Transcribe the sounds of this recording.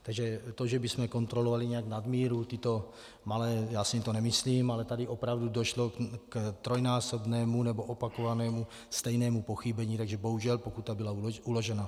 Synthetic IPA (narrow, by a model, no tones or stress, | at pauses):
t̪aɡʒɛt̪o̞ʒɛbɪsmɛko̞nt̪ɾo̞lovalɪɲɛaɡnadmiːɾut̪ɪt̪o̞ | malɛːjaːsɪɲt̪onɛmɪsliːmalɛt̪adɪʔo̞pɾavdudo̞ʃlokt̪ɾojnaːso̞bnɛːmunɛbo̞ʔopako̞vanɛːmu | st̪ɛjnɛːmupo̞xibɛɲiːt̪aɡʒɛbo̞ɦuʒɛlpokut̪ːabɪlauloʒɛna